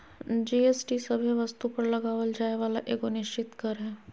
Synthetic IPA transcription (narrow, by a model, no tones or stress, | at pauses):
d͡ʒeːesʈisɐbʱiʋɐst̪upɐɾlɐɡaːʋəld͡ʒaːeʋaːlaʔeːɡonɪʃt͡ʃɪt̪kɐɾɦɛ̃ː